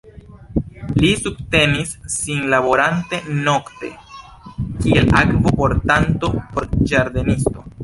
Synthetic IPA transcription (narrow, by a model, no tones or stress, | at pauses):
lisub̚te̞nisːinlabo̞ɾante̞no̞kte̞̰ | kielakvopo̞ɾtanto̞poɾd͡ʒaɾd̪enisto̞